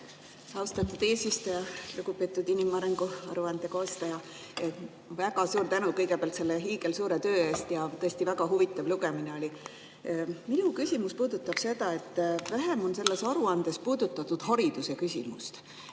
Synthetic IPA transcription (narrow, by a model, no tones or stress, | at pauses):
ɑwst̪ɑt̪ːˑud̪̥e̞ːsʲvist̪ujɑluɡ̥upˑe̞ːt̪ːˑud̪inimɑɾeŋɡ̥uɑ̰ɾuɑnd̪̥e̞koːst̪ɑjɑ | væɡ̥ɑsuːɾt̪ænukɤjɡepeɑlt̪se̞lːe̞ɦiːɡ̥e̞lsuːɾe̞t̪ø̞ːe̞ːst̪jɑt̪ɤest̪ivæɡ̥ɑɦuvit̪ːˑɑvluɡe̞mine̞olʲi | minukysʲimuspuːd̪̥ut̪ːˑɑb̥se̞d̪̥ɑe̞t̪ːˑvæɦe̞mo̞nse̞lːe̞sɑɾuɑnd̪̥e̞spuːd̪̥ut̪ːˑɑt̪ːud̪̥ɦɑɾid̪̥use̞kysʲḭmust̪